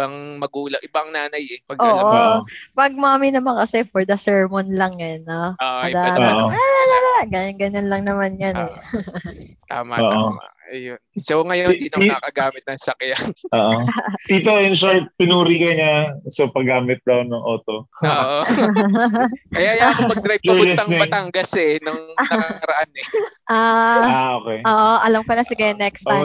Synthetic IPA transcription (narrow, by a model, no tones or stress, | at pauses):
baŋmɐɡuːlɐŋʔɪbaɐŋnaːnɐjɛpɐɡʔoːʔʔopɐɡ̚maːminɐmankɐsɛfɔɹd̪ɐsɛɹmonlɐŋɐnːooɐd̪aːʔoalalalaɡaɲɐnɡɐɲanlɐŋnɐmanjɐnɛ | t̪a̰ːmaoːʔoa̰ | ɐjonsoŋɐjoiniakɐɡaːmɪt̪̚nɐŋsɐkjaoːʔot̪iːt̪oʔɛnʃopɪnuːɾikɐɲasopɐɡaːmɪt̪̚d̪ɐwnɐŋʔoːt̪ooʔo | kɐjjajaomɐɡ̪ɾajb̚d͡ʒlɛsɐŋibɐt̪aŋɡɐsɛnɐŋːɐkakɐɾɐʔanɛʔaːaʔoːkɛjʔoːʔoʔɐlɐmkonɐsɪɡɐnɛkst̪ɐ